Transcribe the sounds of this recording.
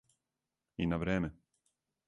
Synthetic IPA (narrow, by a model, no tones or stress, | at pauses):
inavɾɛːmʲɛ